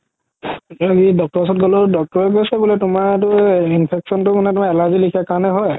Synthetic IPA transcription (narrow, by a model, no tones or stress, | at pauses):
aidɔk̚tɔɹsɔtɡɔlɔdɔk̚tɔɹɛk̬ojsɛbulɛtʊmaɹet̬ʊinpʰeksɔntʊmanɛtʊmaɛlazilikʰiakaɹɔnɛɦɔj